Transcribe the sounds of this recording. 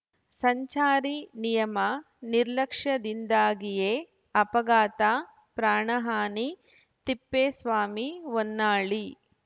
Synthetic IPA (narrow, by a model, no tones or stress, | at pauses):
sɐɲt͡ʃaːɾinijɐmɐ | niɾlɐkʂɐd̪ind̪aːɡijeː | ɐpɐɡaːt̪aː | pɾaːɳɐɦaːni | t̪ipːeːsʋaːmiʋonːaːɭi